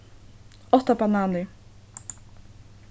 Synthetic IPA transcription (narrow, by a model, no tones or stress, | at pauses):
ɔt̪ːabanaːnɪ